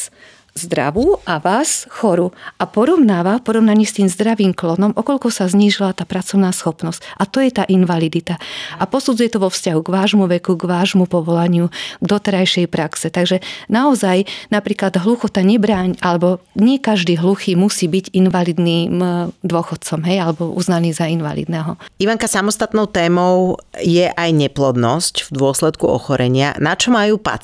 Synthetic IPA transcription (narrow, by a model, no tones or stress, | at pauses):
zd̪ɾa̰ʋuʔaʋaːsxɔɾuapɔɾɔʊnaːʋafpɔɾɔʊnaɲiːst̪iːmzd̪ɾaʋiːmklɔnɔmʔɔkɔʎkɔsazɲiːʒilat̪aːpɾat͡sɔʊnaːsxɔpnɔscat̪ɔjɛt̪aːʔinʋalid̪it̪aapɔsuːd͡zujɛt̪ɔʋɔfscaɦuɡʋaːʒmuʋɛkuɡʋaːʒmupɔʋɔlaɲɪuɡd̪ɔt̪ɛɾajʃɛjpɾaksɛt̪aɡʒɛnaɔzajnapɾiːklad̪ɦluxɔt̪aɲɛbɾaːɲʔalɛbɔɲɪɛkaʒd̪iːɦluxiːmusiːbiɟinʋalid̪niːmd̪ʊɔxɔt̪̚t͡sɔmɦɛjalɛbɔʔṵznaniːzainʋa̰lḭd̪nɛɦɔiʋaŋkasamɔst̪at̪nɔʊt̪ɛːmɔʊjɛʔajɲɛplɔd̪nɔscvd̪ʊɔslɛt̪kuɔ̰xɔɾɛɲɪa̰nat͡ʃɔmajuːpa̰